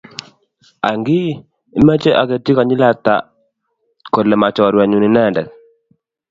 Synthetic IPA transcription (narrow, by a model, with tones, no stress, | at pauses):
a̰˨ŋɡi˦ | i˦mɛ˦t͡ʃe˦ʔa̰˨ke˨ti˦ka˨ɲɪ˦la˦t̪a̰˨ | ko˨lɛ˨ma˨t͡ʃɔ˨ɾwa˨ɲu˨ni˨nɛ˦˨ndɛ˨